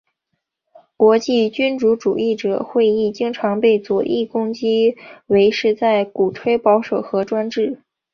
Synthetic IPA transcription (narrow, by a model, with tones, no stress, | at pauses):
kwɔ˧˥t͡ɕi˥˩t͡ɕy˥nʈ͡ʂu˧˥ʈ͡ʂṵ˨˩i˥˩ʈ͡ʂɤ̰˨˩xwe˥˧ɪi˥˩t͡ɕi˥ŋʈ͡ʂʰɑ˧˥ŋpe˥˩ɪt͡swɔ˨˩ʔi˥˩kʊ˥ŋt͡ɕi˥we˧˥ɪʂɻ̩˥˧t͡sa˥˩ɪku˨˩ʈ͡ʂʰwe˥ɪpɑ˧˥ʊʂo˨˩ʊxɤ˧˥ʈ͡ʂwa˥nʈ͡ʂɻ̩˥˩